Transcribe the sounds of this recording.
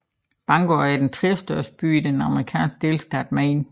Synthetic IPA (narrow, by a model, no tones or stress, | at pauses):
b̥ɑ̈ŋɡ̥oæɐd̥ent͡sʰʁɛːsd̥ɶɐ̰sd̥ə̥b̥y̰ːid̥enɑ̈məʁikʰɛ̰ːnsɡ̥̚d̥e̝lsd̥æd̥̚mæn